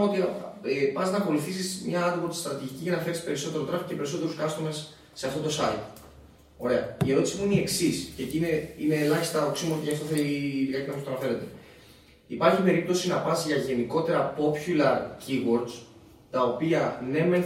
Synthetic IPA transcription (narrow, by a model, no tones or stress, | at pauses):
ot̪iepɐznɐko̞liθisismɲɐɐd̪boɾd̪st̪ɾɐt̪iʝiciʝɐnɐfe̞ɾispe̞ɾiso̞t̪e̞ɾot̪ɾɐfce̞pe̞ɾiso̞t̪e̞ɾuskɐst̪o̞mesː | e̞ɐft̪o̞t̪o̞sɐit̪ | o̞ɾe̞ɐ̰ie̞ɾo̞t̪isimuinieksiscecineineːlɐçi̥st̪ɐoksimuot̪icɐft̪oθeiðikɐcimfost̪onɐθe̞le̞t̪e̞ | ipɐɾçipe̞ɾip̚t̪o̞sinɐpɐsʝɐʝe̞niko̞t̪e̞ɾɐpo̞pçulɐɾciɣo̞ɾd̪s | t̪ɐo̞piɐne̞men